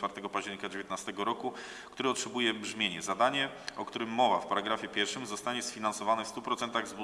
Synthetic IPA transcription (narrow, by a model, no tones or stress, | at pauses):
faɾt̪ɛɡɔpaʑd͡ʑɛɾɲikad͡ʑevʲjet̪nast̪ɛɡɔɾɔku | kt̪uɾɛɔtʂɛbujɛbʐmʲjeɲɛzad̪aɲɛ | ʔɔkt̪uɾɘmːɔvafpaɾaɡɾafʲjɛpʲjɛɾfʂɘmzɔst̪aɲɛsfʲinansɔvanɛfst̪upɾɔt̪sɛnt̪aɣzb